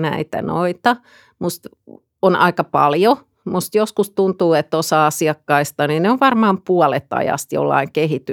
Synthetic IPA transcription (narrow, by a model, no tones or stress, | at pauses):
næ̰it̪æ̰no̰it̪ɑ | must̪ | onɑikɑpɑ̰ljo | must̪joskust̪unt̪uːet̪ːosɑːɑsiɑkːɑist̪ɑninneoʋʋɑrmɑːmpuɔlet̪ɑ̰jɑ̰st̪jo̰lːɑ̰iŋkehit̪y